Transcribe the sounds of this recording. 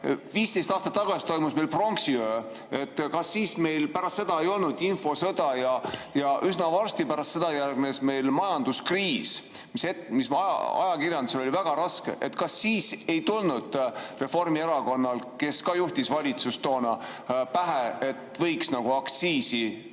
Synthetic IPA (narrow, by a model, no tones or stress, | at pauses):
viːst̪e̞jst̪ɑːst̪ɑt̪ːɑɡ̥ɑsi̥t̪o̞jmusmejlpro̞ŋksiø | e̞t̪ːˑkɑsːiːsme̞jlpæɾɑst̪se̞d̪ɑejo̞lnud̪info̞sɤ̞d̪̥ɑjɑjɑʔysnɑvɑrst̪ipæɾɑst̪se̞d̪̥ɑjærɡ̥ne̞sme̞jlmɑjɑnd̪̥uskriːs | misemism̰ɑ̰jɑkirjɑnd̪uselo̞lʲivæɡ̥ɑɾɑske̞̰ʔet̪kɑsːiːse̞jt̪ulnud̪̥re̞fo̞rmie̞ɾɑko̞nːɑlke̞skɑjuht̪isvɑlʲit̪sust̪o̞ːnɑ | pæɦee̞t̪ːˑvɤjksnɑɡ̥uɑkt̪siːsi